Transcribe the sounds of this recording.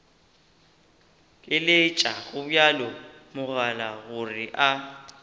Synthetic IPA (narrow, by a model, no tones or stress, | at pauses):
kʼɪlɪt͡ʃʼaɣʊbʊjalɔmʊɣalaɣʊrɪʔa